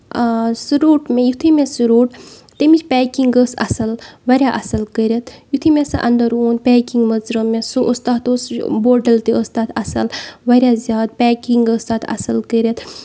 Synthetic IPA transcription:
suɾoːʈmẽjut̪ʰimesuɾoːʈ | t̪emit͡ʃpʲɛːkiŋɡəsɐ̰sɐlʋɐɾʲjaːʔɐsɐlkəɾʲɐt̪ʰjut̪ʰimesɐʔɐ̰nd̪əɾoːnpɛːkiŋɡmɐzɾɐmẽsoʔəst̪aːt̪osboːɖɐlt̪iəst̪aːt̪ʰɐsɐ̰lʋɐɾʲjaːzjaːd̪̚pʲɛːkiŋɡəst̪aːt̪ʰɐ̰sɐlkəɾʲet̪ʰ

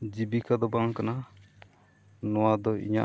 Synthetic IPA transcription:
d͡ʒibikad̪ɔbaŋkana | nɔwad̪ɔḭɲa̰

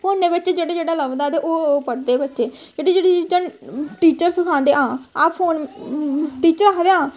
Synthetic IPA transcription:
pʰoːnd̪eːbɪt͡ʃd͡ʒeːɽeːd͡ʒeːɽaːləbd̪aːd̪eːʔoːpəɽd̪eːbɪtːʃeːd͡ʒeːɽid͡ʒeːɽit͡ʃənʈiːt͡ʃəɾsəkʰãːnd̪eːãːaːpʰoːn | ʈiːt͡ʃəɾaːkd̪eːãː

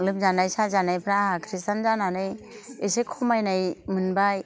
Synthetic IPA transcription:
lɯp̚zanajsazanajpʰɾaɦakʰɾistanzananajesekʰɔmajnajmɯnbaj

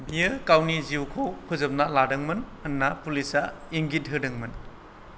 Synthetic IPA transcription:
biɯkawniziwkʰokʰɯzɐp̚naladɐŋmɐnɐnːapulisa | iŋɡidʱɯdɐŋmɐn

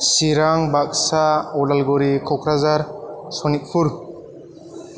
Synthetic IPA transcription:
siɾaŋbak̚saɔlalɡɔɾikʰɔkʰɾazaɾsɔnik̚pʰuɾ

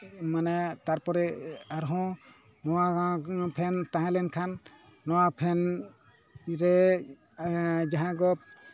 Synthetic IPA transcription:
manɛt̪aɾpɔɾɛaɾɦɔ̃ | nɔwapʰɛnt̪ãɦãlɛnkʰanː | ɔwapʰɛn | ɾɛ | d͡ʒaɦãɡɔp̚

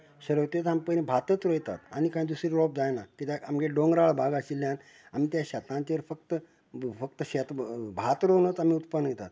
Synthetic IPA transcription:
ɕəɾəʋt̪et̪ampəñibʱat̪ət͡sɾəjt̪a̰t̪añikãĩd̪usɾiɾɔp̚d͡zajnakit̪aamɡeɖoŋɡɾaɭbʱaɡaɕilːjan | am̤iːt̪jaɕat̪nãɲt͡ɕaʋəɾfək̚t̪ə | fəkt̪əɕet̪bʱat̪ɾonət͡sam̤iːut̪pənjet̪a̰t̪

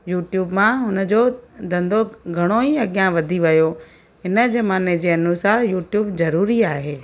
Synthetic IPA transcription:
juːʈjuːbmãɦʊnə̆d͡ʑod̪ɐ̃nd̪oɡʱɐɽ̃oiɐɠjãʋɐd̪ʱiʋɐjo | ɦɪnə̆d͡ʑɐmaːned͡ʑeːɐnusaːɾjuːʈjuːbzɐɾuːɾiaːɦeː

